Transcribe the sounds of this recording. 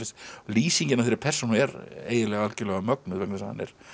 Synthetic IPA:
ɪst̪liːsiɲcɪnavfθɪɾɪɾpʰɛ̥sɔnuɛɾḛːjðɪlɛɣalcɪɾlɛɣamœknʏðvɛknsaa̰nːɛ̰ɾ̥

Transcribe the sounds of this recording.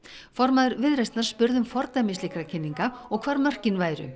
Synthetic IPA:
fɔɾmaðʏɾvɪðɾɛjst̪naɾ̥spʏɾðʏmfɔɾt̪amislikɾacʰɪnːiŋkaɔɣkʰvaːɾmœr̥cɪnvaːjɾʏ̰

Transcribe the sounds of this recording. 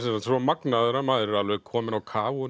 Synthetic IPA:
sɛsansɾɔmaknaðɛɾamaːðɾɪɾalvɛɣkʰɔːmɪnawkʰaːvʊ

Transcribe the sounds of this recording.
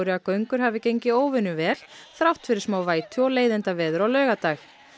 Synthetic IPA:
ɾɪakœɥŋkʏɾ̥ɦaːvɪcejɲcɪoːwvɪnʏvɛːl̥θɾawht̪fɪɾɪɾ̥smaːwvaːjt̪ʰʏɔleːjðɪnt̪avɛːðʏɾawlœːɣat̪aːx

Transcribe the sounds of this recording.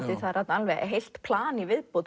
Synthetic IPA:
t̪ɪθaðɾat̪nalvɛɣɛ̰ɦejl̥t̪pʰlaːnivɪðpowð

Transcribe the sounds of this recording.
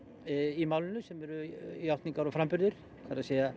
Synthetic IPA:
imaːwlɪnʏsɛmɛɾʏiawht̪niŋkaɾɔfɾampʏɾðɪɾ̥ | kʰaɾaseːja

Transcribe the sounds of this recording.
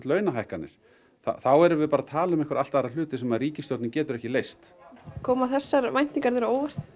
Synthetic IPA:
t̪lœːɥnaɦajhkanːɪ̰ɾ̥ | θa̰θawɛɾʏvɪðpaːɾat̪ʰaːlaʏmɛhkvaɾa̰lt̪aɾalʏːt̪ɪsɛmaðriːcɪst̪jowt̪nɪcɛːt̪ʏɾɛhcɪlejst̪kʰɔːmaθɛsːaɾvajn̥t̪iŋkaɾðɛɾaoːwvɛr̥t̪

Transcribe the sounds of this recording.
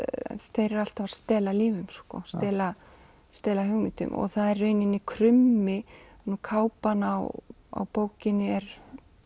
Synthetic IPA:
θejɾɛɾal̥t̪avḁst̪ɛːlaliːvʏmskɔ̰st̪ɛːla | st̪ɛːlaɦʏɣmɪnt̪ʏ̰mʔɔ̰ɣθaðɛrːejnɪnːɪkʰɾʏmːɪnukʰaːwpanaw | a̰wpoːwcɪnːɪɛɾ

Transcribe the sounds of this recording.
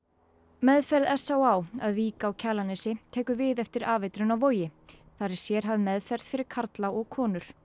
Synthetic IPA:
mɛðfɛɾðɛsːawawa̰ðviːkaːwcʰaːlanɪsɪt̪ʰɛːkʏvɪðɛft̪ɪɾaːvɪjt̪ɾʏnawvoːwjɪ | θaɾɪ̥sjɛɾ̥ɦavðɪmɛðfɛɾðfɪɾɪɾ̥kʰaɾt̪lawɔɣkʰɔːnʏɾ̥

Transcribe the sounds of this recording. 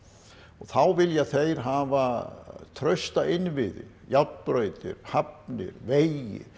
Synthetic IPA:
ɔɣθawvɪljɛaθejɾ̥ɦaːvat̪ʰɾœɥst̪aʔɪnvɪðɪɾjat̪pɾœɥt̪ɪ̰ɾ̥hap̚nɪ̰ɾveːjjɪ̰

